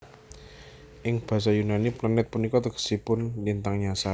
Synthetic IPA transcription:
ʔɪŋb̥ä̤s̬ajunaniplanɛt̪̚punikɔt̪əkə̥sipʊndint̪aŋɲasa

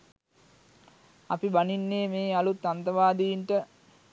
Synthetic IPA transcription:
ɐpibaninːeːmeːalut̪ːant̪əʋaːd̪ijiɳʈə

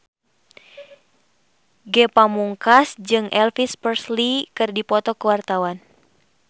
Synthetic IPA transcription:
ɡɛpamuŋkasd͡ʒɨŋʔɛlfispərslikɨrdipɔt̪ɔkəwart̪awan

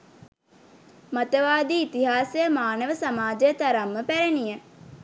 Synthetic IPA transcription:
mat̪əʋaːd̪iːt̪iɦaːsəjəmaːnəʋəsamaːd͡ʒəjət̪aɾamːəpæɾenijə

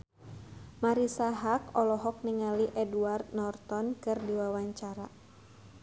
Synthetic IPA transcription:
maɾisaɦakɔlɔɦɔk̚niŋaliʔɛduart̪̚nɔrt̪ɔnkɨrdiwawaɲt͡ʃaɾa̰

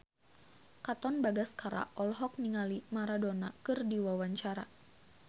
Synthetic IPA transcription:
kat̪ɔnbaɡaskaɾa̰ʔɔlɦɔk̚niŋalimaɾadɔnakɨrdiwawaɲt͡ʃaɾa̰

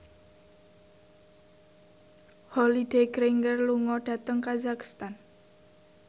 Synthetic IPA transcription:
hɔlideɡɾeŋɡərluŋɔɖ̥ä̤t̪əŋkazakst̪an

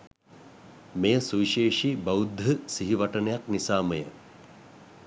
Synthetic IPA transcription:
mejəsuʋiʃeːʂibɐud̪ʱːəsiɦiʋaʈənəjaknisaːməjə

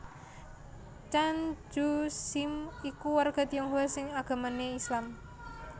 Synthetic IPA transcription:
t͡ʃand͡ʒusimikuwarɡ̥a̤t̪ijɔŋɦuwasɪŋaɡ̥a̤maneislam

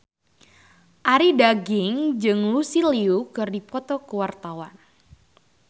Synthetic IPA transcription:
ʔaɾidaɡɪŋd͡ʒɨŋlusiliukɨrdipɔt̪ɔkəwart̪awan

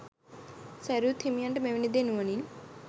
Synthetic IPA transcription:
sɐɾut̪ʰimijɐɳʈmeʋinid̪enuʋɐnin

